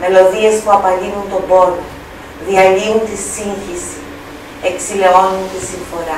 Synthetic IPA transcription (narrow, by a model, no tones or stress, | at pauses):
me̞lo̞ðie̞spuɐpɐlinunt̪o̞bo̞lo | ðiɐʎiunt̪isiɲçisi | e̞ksile̞o̞nunt̪isiɱfo̞ɾɐ